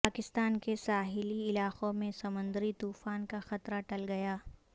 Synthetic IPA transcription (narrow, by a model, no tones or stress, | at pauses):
paːkɪst̪aːnkesaːɦɪliɪlaːqõmẽsɐmʊ̃nd̪əɾit̪uːfaːnkaxɐt̪ɾaʈɐlɡɐjaː